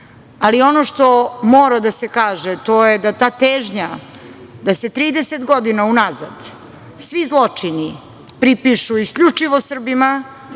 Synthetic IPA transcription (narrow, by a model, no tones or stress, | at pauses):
alio̞noʃt̪o̞moːɾad̪asekaːʒet̪o̞jed̪at̪aːt̪eːʒɲa | d̪ase̞t̪ɾiːd̪eset̪ɡo̞d̪inaunaza̰d̪ | sʋizlˠo̞t͡ʂini | pɾipiʃuiskʎut͡ʂiʋo̞sr̩bima